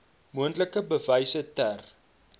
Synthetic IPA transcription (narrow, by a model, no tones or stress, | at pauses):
muəntləkəbəvɛjsətær